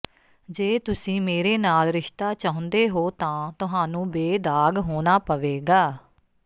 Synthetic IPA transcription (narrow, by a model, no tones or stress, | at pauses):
d͡ʒeːt̪ʊsĩːmeːɾeːnaːlɾɪʃt̪aːt͡ʃaːɦʊ̃nd̪eːɦoːt̪ãːt̪ʊɦaːnũːbeːd̪aːɡɦoːnaːpəʋeːɡaː